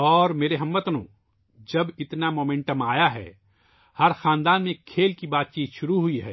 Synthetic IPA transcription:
ɔːɾmeːɾeɦɐ̃mʋət̪nõ̰ː | d͡ʒɐbɪt̪namoːmẽɳʈəmaːjaɦɛ̰ː | hɐɾxaːnd̪aːnmẽkʰeːlkibaːt̪̚t͡ʃiːt̪ʃʊɾuɦʊiɦɛ̰ː

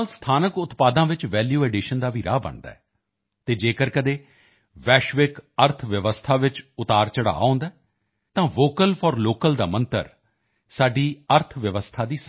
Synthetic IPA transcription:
lst̪ʰaːnəkʊt̪paːd̪ãːʋɪt͡ʃʋɛːljuːɛːɖɪʃənd̪aːʋiːɾa̰ːbə̰ɳd̪a̰ːɛː | t̪eːd͡ʒeːkəɾkəd̪eː | ʋɛːʃʋɪkəɾt̪ʰʋəʋəst̪ʰaːʋɪt͡ʃʊt̪aːɾt͡ʃəɽa̰ːõːnd̪aː | t̪ãːʋoːkəlpʰɔːɾloːkəld̪aːmənt̪ə̰ɾ | saːɖiːəɾt̪ʰʋəʋəst̪ʰaːd̪iːs

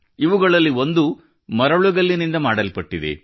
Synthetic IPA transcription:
iʋuɡɐɭɐlːio̞nd̪u | mɐɾɐɭuɡɐlːinind̪ɐmaːɽɐlpɐʈːid̪ḛ

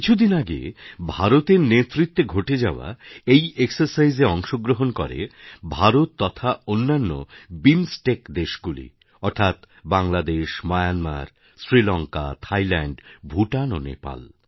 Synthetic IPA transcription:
kit͡ɕʰud̪inaɡḛbʱaɾot̪eɾnet̪ːɾit̪ːeɡʱoʈed͡ʑaoa̰ejʔeksaɾsajzeɔŋʃoɡɾoɦonkɔɾḛbʱaɾot̪ːɔt̪ʰaonːanːo̰binsʈekd̪eʃɡulḭ | ɔɾt̪ʰat̪ | baŋlad̪eʃmajanma̰ɾ | sɾilɔŋka̰t̪ʰajlɛɳɖbʱuʈano̰nḛpa̰l

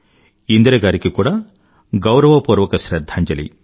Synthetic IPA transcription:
ind̪ɾeɡaːɾikekuːɽɐ | ɡɐwɾɐʋɐpuːɾʋɐkɐʃɾɐd̪ʱːaːɲd͡ʒɐlḭ

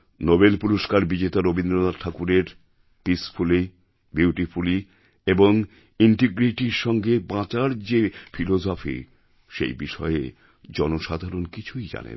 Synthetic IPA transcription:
nobelpuɾoʃkaɾbid͡ʑet̪aɾobind̪ɾolaʈʰakuɾeɾ | pisfʰuli | bjiwʈifʰuli | eboŋ | iɳʈiɡɾiʈiɾʃɔŋɡebãt͡ɕaɾd͡ʑefʰilod͡ʑofḭ | ʃḛjbiʃɔḛ | d͡ʑɔnoʃad̪ʱaɾonkit͡ɕʰujd͡ʑa̰nḛn

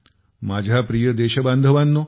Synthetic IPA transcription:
mad͡ʑʱapɾijəd̪eɕəbãnd̪ʱəʋanːo

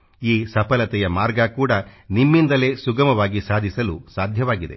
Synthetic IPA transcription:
iːsɐpɐlɐt̪ɛjɐmaːɾɡɐkuːɽɐnimːind̪ɐle̞suɡɐmɐʋaːɡisaːd̪ʱisɐlusaːd̪ʱjɐʋaːɡid̪e̞̰

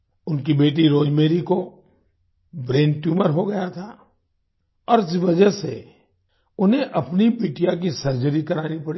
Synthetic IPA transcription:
ʊnkibeːʈ̬iɾoːd͡ʒmeːɾiko | bɾẽːnʈjuːməɾɦoɡɐjat̪ʰa | ɔːɾsʋɐd͡ʒəse | ʊnɦẽʔɐpnibiːʈijak̬isɐɾd͡ʒəɾikɐɾaːnipɐɽiː

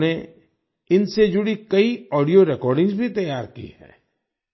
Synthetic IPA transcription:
ne | ɪnsed͡ʒʊɽikɐiɔːɖijoɾɛkɔːɾɖɪ̃ŋɡzbʱit̪ɐjaːɾkḭhɛ̰̃ː

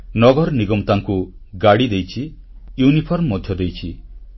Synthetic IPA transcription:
nɔɡɔɾɔniɡɔmt̪aŋku | ɡaɽid̪ejt͡ʃʰi | junipʰɔɾmːɔd̪ʱjɔd̪ejt͡ʃʰi

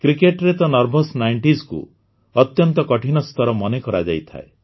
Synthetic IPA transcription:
kɾikeʈɾet̪ɔnɔɾbʱosnaiɳʈiskṵ | ɔt̪jɔnt̪ɔkɔʈʰinɔst̪ʰɔɾɔmɔnekɔɾad͡ʒa̰jt̪ʰa̰e

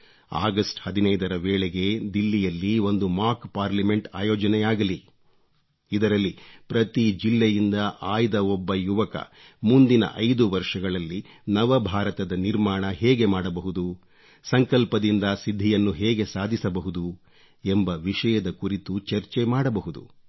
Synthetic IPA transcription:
a̰ːɡɐsʈhɐd̪inɐjd̪ɐɾɐʋeːɭeɡe̞d̪ilːijɐlːio̞nd̪umaːkpaːɾlɐme̞ɳʈa̰ːjɔːd͡ʒɐnɛjaːɡɐli | id̪ɐɾɐlːipɾɐt̪id͡ʒilːejind̪ɐʔaːjd̪ɐɔbːɐjuʋɐkɐ̰ | mund̪inɐ̰ʔɐjd̪uʋɐɾʂɐɡɐɭɐlːi | nɐʋɐbʱaːɾɐt̪ɐd̪ɐniɾmaːɳɐɦɛːɡe̞maːɽɐbɐɦud̪u | sɐŋkɐlpɐd̪ind̪ɐsid̪ʱːijɐnːuɦɛːɡe̞saːd̪ʱisɐbɐɦud̪u | embɐʋiʂɐjɐd̪ɐkuɾit̪ut͡ʃɐɾt͡ʃemaːɽɐbɐɦud̪ṵ

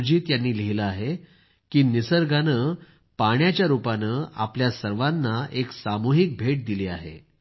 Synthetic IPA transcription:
d͡ʑiːt̪janːiːleɦiləaɦe | kiːnisəɾɡanə | paɳjat͡ɕjaɾupanəa̰pljasəɾʋanːaeksamuɦik̚bʱeʈ̚d̪ilia̰ɦḛ

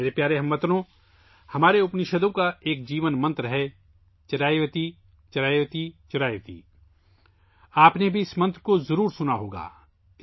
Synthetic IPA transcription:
ɾepjaːɾeɦɐmːɐt̪ɾõ | hɐmaːɾeʊpniʃɐd̪õkaeːk̚d͡ʒiːʋənmɐ̃nt̪ɾəɦɛ | t͡ʃɐɾaːjʋət̪i | t͡ʃɐɾaːjʋət̪it͡ʃɐɾaːjʋət̪ḭː | aːpnebʱiɪsmɐ̃nt̪ɾəkozɐɾuːɾsʊnaɦoːɡa̰ː

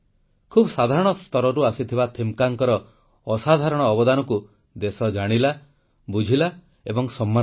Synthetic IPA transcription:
kʰubɔsad̪ʱaɾɔɽ̃ɔst̪ɔɾɔɾuasit̪ʰibat̪ʰimkaŋkɔɾɔː | sad̪ʱaɾɔɽ̃ɔːbɔd̪anɔku | d̪esɔd͡ʒaɽ̃ila | bud͡ʒʱila | ebɔŋsɔmːan

